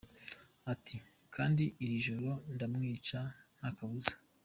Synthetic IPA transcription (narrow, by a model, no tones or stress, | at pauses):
atʰi | kʰaːndiːɾiʒoɾo̞ndamŋiːt͡ʃan̥hakaβuzḁ